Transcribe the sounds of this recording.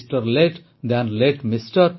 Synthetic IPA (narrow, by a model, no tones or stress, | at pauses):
sʈəɾleʈ | d̪æ̃nleʈmisʈəɾ